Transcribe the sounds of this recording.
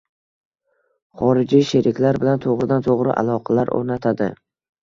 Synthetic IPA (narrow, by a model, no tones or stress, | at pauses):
χɒɾɪd͡ʒiʃeɾʔɪkʲlaɾbɪlant̪ʰoʁɾɪd̪ant̪ʰoʁɾɪʔa̰lˠɒqʰɑlaɾo̰ɾnat̪ʰad̪ɪ̰